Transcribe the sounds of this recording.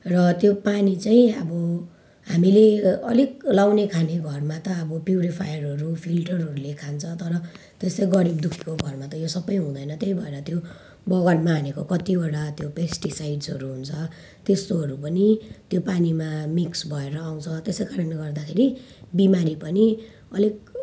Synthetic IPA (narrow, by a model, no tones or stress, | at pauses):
rʌt̪jopanit͡saĩʌbʌ | ɦamileʌ̰liklawnekʰaneɡʱʌrmat̪ʌːbʌpjuɾipʰajʌrɦʌɾupʰilʈʌrɦʌɾulekʰant͡sʰʌt̪ʌɾʌ | t̪est̪ʌiɡʌɾibd̪ukʰi̥koɡʱʌrmat̪ʌjosʌbʌjɦũd̪ʌjnʌt̪jeibʱʌeɾʌt̪jo | bʌɣʌɽmaɦːnekokʌt̪ibaɽat̪jopesʈisajɖsʌɾuɦunt͡sʰʌ | t̪est̪oɦʌɾupʌnit̪jopanimamiksbʱʌeɾʌːw̃t͡sʰʌt̪esekaɾʌnleɡʌrd̪akʰeɾi | bimaɾipʌni | ʌlik̚